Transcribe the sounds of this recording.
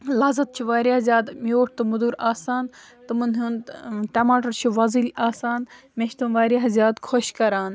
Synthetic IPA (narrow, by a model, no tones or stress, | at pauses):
laːzɐt̪̚t͡ʃʰiʋaːɾjaːzʲjaːd̪moːʈ̚ʰt̪ɨmud̪uːɾaːsaːn | t̪ɨmɨnɦuːnʈɐmaːʈɐɾt͡ʃʰiʋɐzilʲaːsaːn | meʃt̪unʋaːɾiɦɐzjaːd̪kʰoʃkɐɾaːn